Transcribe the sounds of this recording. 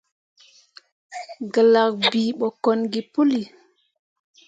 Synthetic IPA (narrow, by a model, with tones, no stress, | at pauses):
ɡə˨la˨k̚biː˨ɓɔ˨ko˨nɡi˨pu˦li˨